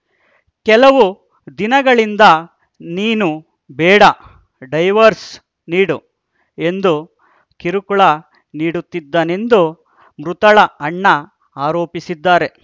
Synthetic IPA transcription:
kɛlɐʋu | d̪inɐɡɐɭind̪ɐ | niːnu | bɛːɽɐ | ɖɐjʋɐɾs | niːɽu | end̪u | kiɾukuɭɐ | niːɽut̪ːid̪ːaːne̞nd̪u | mɾut̪ɐɭɐɐɳːɐ | aːɾoːpisid̪ːaːɾe̞

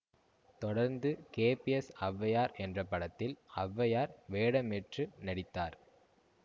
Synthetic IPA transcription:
t̪ɔɽɐɾnd̪ɯkeːpiɛsɐʋːɐjaːɾɛndrɐpɐɽɐt̪ːɪlɐʋːɐjaːɾʋeːɽɐmɛʈrɯnɐɽɪt̪ːaːɾ

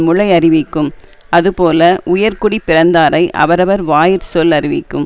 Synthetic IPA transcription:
mʊɭɐɪɐrɪʋɪkːɯm | ɐðɯpoːlɐʔʊjɐɾkʊɽipːɪrɐnd̪aːɾɐɪʔɐ̰ʋɐɾɐʋɐɾʋaːjɪɾsɔlɐrɪʋɪkːɯm

